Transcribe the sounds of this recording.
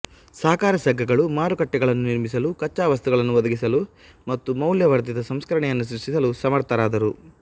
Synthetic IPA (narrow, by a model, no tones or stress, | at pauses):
sɐɦɐkaːɾɐsɐɡʱːɐɡɐɭumaːɾukɐʈːɛɡɐɭɐnːuniɾmis̬ɐlukɐt͡ʃːaːʋɐst̪uɡɐɭɐnːuʋɐd̪ɐɡisɐlu | mɐt̪ːumɐwljɐʋɐɾt̪id̪ɐsɐmskɐɾɐɳɛjɐnːus̬ɾuʂʈisɐlusɐmɐɾt̪ʰɐɾaːd̪ɐɾu